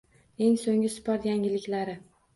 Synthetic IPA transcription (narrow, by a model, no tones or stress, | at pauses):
e̞ŋsoŋɪsɪ̥pʰɒɾjaŋʲɪlɪkʲlaɾɪ